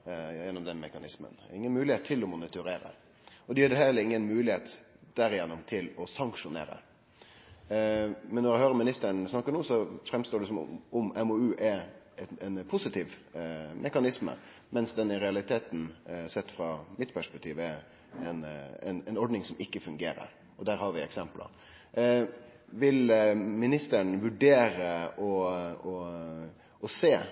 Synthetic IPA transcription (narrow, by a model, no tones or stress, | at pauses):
jjɛnːʊmd̪ɛnmɛkɑnɪsmə̰nɪŋːənmʉːlɪheːt̪ʰːɪlɔmʊnɪt̪ʊɾeːɾə̰ | ɔd̪ɛjøːɖɛhɛlːəɪŋːənmʉːlɪheːt̪ | d̪̥æɾɪjɛnːʊmt̪ʰɪlɔsɑŋkʂʊnḛːɾə̰ | mɛnːɔɾæɛhøːɾəɾmɪnɪst̪əɾɳsnɑkːəɳuːsɔfɾɛmst̪oːɖɛsɔm̰ɔmɛmoʉːʔɛ | ɛɛnpʰʊsɪt̪ʰiːʋmʔɛkɑnɪsmə̰ | mɛnsd̪ɛnːəɾɛɑlɪt̪ʰeːt̪n̩sɛt̪ːfɾɑmɪt̪pʰæʂpɛk̚t̪ʰiːʋəɛ | ɛnɛ̰nɛnɔɖnɪŋsɔmɪkːəfʉŋɡḛːɾə̰ɾ | ɔd̪æːɾhɑːɾʋɪɛ̰ksɛmplə̰ɾ | ʋɪlmɪnɪst̪əɳ̩ʋʉɖeːɾəɔɔ | ɔseː